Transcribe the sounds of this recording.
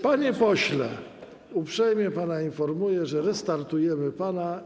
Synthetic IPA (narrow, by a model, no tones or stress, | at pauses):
paɲɛpɔɕlɛ̰ | upʂɛjmʲjɛpanainfɔɾmujɛʐɛɾɛst̪aɾt̪ujɛmɘpana